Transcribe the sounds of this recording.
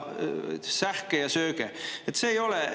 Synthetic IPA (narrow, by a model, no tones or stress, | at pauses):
særkːejɑsøːkeet̪seːjole